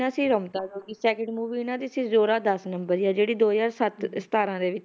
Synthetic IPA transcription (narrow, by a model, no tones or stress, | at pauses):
nãːsĩːɾəːmt̪aːd͡ʒoːɡiːsɛːkəɳɖmuːʋiːɪnãːd̪iːsĩːzoːɾaːd̪əsnəmbəɾijaːd͡ʒeːɽiːd̪oːzaːɾsət̪st̪aːɾãːd̪eːʋɪt͡ʃ